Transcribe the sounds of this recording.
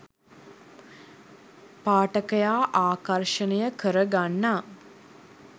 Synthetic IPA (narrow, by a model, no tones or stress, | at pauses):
paːʈəkəjaːʔaːkarʃənəjəkəɾəɡanːa